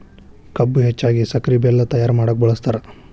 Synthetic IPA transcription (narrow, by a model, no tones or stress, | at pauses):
kɐbːuɦɛt͡ʃːaːɡisɐkɾibɛlːɐt̪ɐjaːɾmaːɽɐk̚bɐɭɐst̪aːɾe